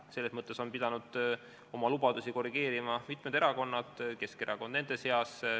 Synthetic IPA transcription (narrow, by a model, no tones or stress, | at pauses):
selːesmɤt̪ːˑe̞so̞npid̪̥ɑnud̪̥ | o̞mɑlub̥ɑd̪̥usiko̞riɡ̥e̞ːɾimɑmit̪ˑmed̪̥e̞ɾɑko̞nːɑd̪̥ke̞ske̞ɾʔɑko̞nd̪ne̞nd̪̥e̞se̞ɑs